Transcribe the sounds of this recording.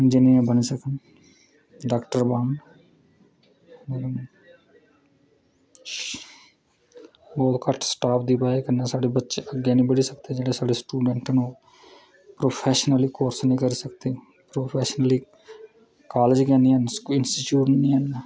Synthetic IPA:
ɪ̃nd͡ʒiniɾãbənisəkən | ɖaːkʈəɾbãːn | meː | bɔːt̪kəʈʰsʈaːp̚ʰd̪ipaːekənasaːɽebətːʃeʔəɡjenĩːbəɽisəkt̪ed͡ʒɛːɽesaːɽesʈuːɖə̃ɳʈənoː | pɾoːpʰeːʃnəlikoːɾsnĩkəɾisəkt̪e | pɾoːpʰeːʃnəli | kaːled͡ʒkɛniɛnkɪnsʈiʈjuːʈnnĩənː

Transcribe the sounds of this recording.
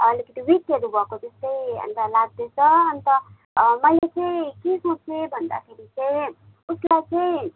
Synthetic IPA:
ʌlikit̪iwikːeɾubʱʌkot̪est̪ʌĩʌ̰nɾalaɡ̚d̪et͡sʰʌːnt̪ʌ | mʌilet͡sʌĩkisot͡sʰebʱʌnd̪a̰kʰeɾit͡saĩ | uslajt͡sʌĩ

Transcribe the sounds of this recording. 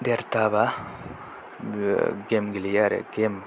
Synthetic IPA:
d̪eɾt̪aʋa | ɡemɡilijaɾḛɡem

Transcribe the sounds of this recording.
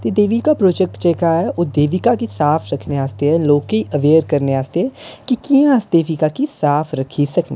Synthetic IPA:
t̪ed̪eːʋikapɾoːd͡ʒɛk̚ʈt͡ʃɛːkaɦɛʔoːd̪eːʋikakisaːfʰɾɐkʰneaːst̪eɦɛ̃loːkeiʔɐʋeːɾkɐɾneaːst̪eɦɛ̃kikijãsd̪eːʋikakisaːfʰɾɐkʰisɐknẽ

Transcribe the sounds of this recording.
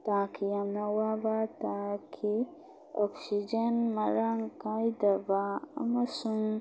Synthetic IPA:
t̪akiɐmnɐwabat̪akʰi | oksid͡ʒɐnmɐɾaŋkajd̪ɐbaɐ̰mɐsuŋ

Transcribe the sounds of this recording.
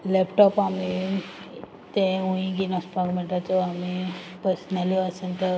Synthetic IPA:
lepʈɔpami | t̪ẽũĩɡinɔspakmeɳʈat͡sɔamipəɾsnaliəsənt̪ə

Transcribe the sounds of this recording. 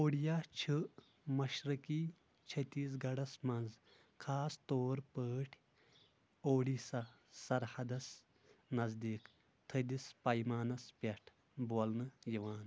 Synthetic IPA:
oːɽjat͡ʃʰɨ | mɐʃɾɐki | t͡ʃʰɐt̪iːs̬ɡɐɽɐsmɐ̃nz | kʰaːst̪oːɾpəːʈʰ | oːɽisɐ | sɐɾhɐd̪ɐs | nɐzd̪iːk | t̪ʰɐd̪ispɐjmaːnɐspʲɐʈʰ | bolnɨjiʋaːn

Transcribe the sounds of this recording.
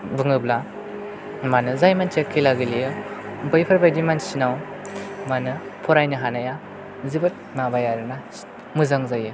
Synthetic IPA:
bɯŋɯbla | manɯzajmant͡ʃekʰːijlaɡilijɯbɯjpʰaɾbajdimansinaw | manɯpʰɔɾajnɯɦanaja | zibɯt̚mabajaɾɯna | mɯzaŋzajɯ

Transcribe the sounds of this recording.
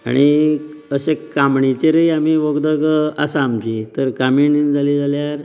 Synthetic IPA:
a̰ɽ̃i | əɕekamɳit͡ɕeɾəiam̤iʋəɡd̪əkəasaːmt͡ɕit̪əɾkamiɳid͡zʱalid͡zʱaljaɾ

